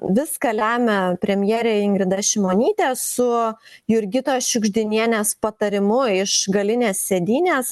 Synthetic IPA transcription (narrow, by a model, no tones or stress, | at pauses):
ʋʲɪskɐlʲæːmʲɛpʲɾʲɛmʲjɛːɾʲeːɪŋɡɾʲɪd̪ɐʃʲɪmoːnʲiːt̪ʲeːsʊjʊɾʲɡʲɪt̪oːʃʲʊɡʒʲd̪ʲɪnʲiɛnʲeːspɐt̪ɐɾʲɪmʊɪʃɡɐlʲɪnʲeːssʲed̪ʲiːnʲeːs